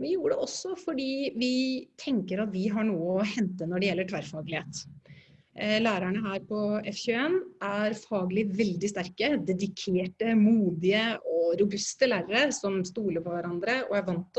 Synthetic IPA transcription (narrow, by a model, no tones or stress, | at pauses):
ʋɪjuːɾəɖɛɔsːɔfɔɖiːʋɪt̪ʰɛŋkəɾɑt̪ʋɪɦɑɳuːəɔhɛnt̪ənɔɖɛjɛlːəʈʰʋæɾfɑːɡlɪheːt̪ | læːɾæɳəɦæːɾpʰɔɛfçʉeːnæɾfɑːɡəlɪʋɛld̪ɪst̪æɾkəd̪ɛd̪ɪkʰeːʈəmuːd̪ɪəɔɾʊbʉst̪əlæːɾəɾəɾsɔmst̪uːləpʰɔʋæɾɑnd̪ɾəɔ̰æʋɑnt̪